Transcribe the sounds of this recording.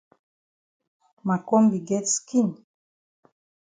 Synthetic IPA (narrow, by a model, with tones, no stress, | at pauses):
ma˨ko˦mbi˨ɡɛ˦tski˦n